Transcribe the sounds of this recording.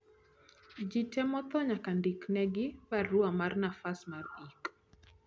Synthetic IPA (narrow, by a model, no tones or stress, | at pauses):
d͡ʒitɛmɔt̪ɔɲakandiknɛɡɪbaɾuamarnafasmarik